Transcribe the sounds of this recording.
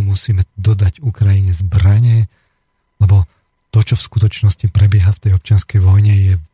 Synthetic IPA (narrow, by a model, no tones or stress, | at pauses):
musiːmɛd̪ɔd̪aɟukɾajiɲɛzbɾaɲɛ | lɛbɔ | t̪ɔt͡ʃɔfskut̪ɔt͡ʃnɔscipɾɛbɪɛɦaft̪ɛjɔp̚t͡ʃɪanskɛjʋɔjɲɛjɛ